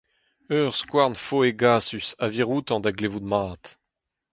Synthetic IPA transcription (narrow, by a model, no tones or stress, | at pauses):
œːʁskwaʁnfoeɡaːsysaviʁut̪ɑ̃d̪aɡlevud̪maːt̪